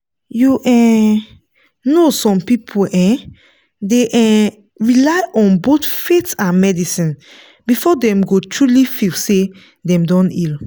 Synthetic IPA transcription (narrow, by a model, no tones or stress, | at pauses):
juʔɛ̃ | nosɔ̃mpipʰolʔɛ̃ | deʔɛ̃ | ɹilaɪʔɔ̃nbotfetãnmɛdisĩn | bifɔdɛ̃mɡotʰɹulifilse | dɛ̃mdɔ̃nḭl